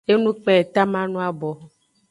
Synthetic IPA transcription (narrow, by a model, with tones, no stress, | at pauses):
e˦nũ˦k͡pɛ˦˨t̪a˦mã˦nũ˦a˦bɔ˨